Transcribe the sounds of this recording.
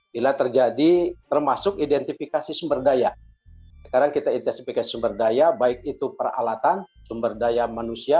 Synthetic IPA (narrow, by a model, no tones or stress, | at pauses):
bilat̪ərd͡ʒadit̪ərmasʊkidɛnt̪ifikasisumbərdaja | sə̥kaɾaŋkit̪ait̪ɛnsifikasi̥sumbərdajabaɪk̚it̪upəra̰lat̪ansumbərdajamanusia